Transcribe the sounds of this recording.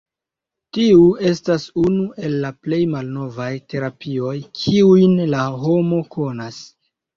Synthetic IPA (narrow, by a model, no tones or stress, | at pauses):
tiue̞stasunuʔe̞lːaple̞jmalno̞vajte̞ɾapio̞jkʰiujnlaɦo̞mo̞ko̞nas